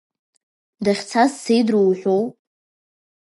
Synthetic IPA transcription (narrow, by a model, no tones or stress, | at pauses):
daχʲt͡sʰazsejdrowħʷᶣow